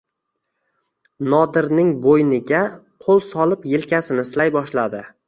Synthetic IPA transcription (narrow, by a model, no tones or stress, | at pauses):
nɒd̪ɪɾnɪŋbojnɪɡʲa | qʰolˠsɒlˠɪpjelkʲʰasɪnɪslajbɒʃlad̪ɪ